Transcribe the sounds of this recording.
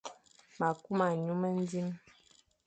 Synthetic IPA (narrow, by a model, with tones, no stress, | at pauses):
ma˨ku˦ma˨ɲu˦mə˦n˦di˦m